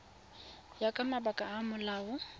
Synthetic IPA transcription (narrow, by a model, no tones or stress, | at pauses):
jakʼamabakʼaːmʊlaːʊ